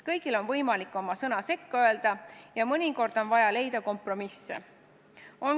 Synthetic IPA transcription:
kɤjɡ̥ilo̞nvɤjmɑlikːˑo̞mɑsɤnɑse̞kːøeld̪̥ɑjɑmɤnʲiko̞rd̪̥o̞nvɑjɑle̞jd̪̥ɑko̞mpro̞misːḛ | o̞n

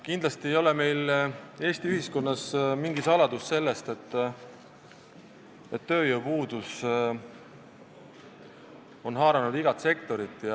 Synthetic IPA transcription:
kind̪̥lɑst̪ie̞jo̞leme̞jle̞ːsʲt̪iyhisko̞nːɑsmiŋɡisɑlɑd̪usse̞lːe̞st̪e̞t̪ːˑ | e̞t̪ːø̞ːjəwpuːd̪̥us | o̞nɦɑːɾɑnud̪iɡɑt̪se̞kt̪o̞ɾit̪ːˑjɑ

